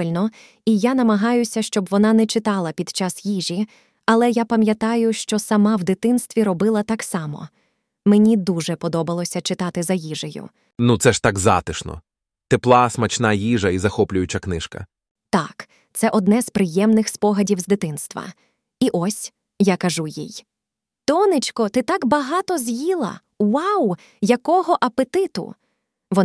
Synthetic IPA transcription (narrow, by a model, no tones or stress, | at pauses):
ɪlʲnɔ | ijanɐmɐɦɑjʊsʲɐʃt͡ʃɔbʋɔnɑnɛt͡ʃɪt̪ɑlˠɐpʲid̪̥t͡ʃɑsjiʒʲi | ɐlˠɛjapɐmʲjɐt̪ɑjʊʃt͡ʃɔsɐmɑwd̪ɪt̪ɪnst̪ʋʲiɾɔbɪlˠɐt̪ɑksɑmɔ̰ | menʲid̪uʒɛpɔd̪ɔbɐlˠɔsʲɐt͡ʃɪt̪ɑt̪ɪzɐjiʒejʊ̰ | nut̪sɛʃt̪ɑɡzɑ̰t̪ɪʃnɔ̰ | t̪eplˠɑsmɐt͡ʃnɑjiʒɐizɐxɔplʲʊjʊt͡ʃɐknɪʃkɐ̰ | t̪ɑk | t̪sɛʔɔd̪nɛzpɾɪjɛmnɪxspɔɦɐdʲiwzd̪ɪt̪ɪnst̪ʋɐ̰ | iʔɔsʲ | jakɐʒujḭj | t̪ɔnɪt͡ʃʲkɔt̪ɪt̪ɑkbɐɦɑt̪ɔzjilˠɐ̰ | wɑw | jɐkɔɦɔʔɐpet̪ɪt̪ʊ̰ | ʋɔ